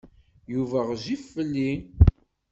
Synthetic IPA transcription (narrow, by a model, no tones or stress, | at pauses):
juvæʁʒifːəlːi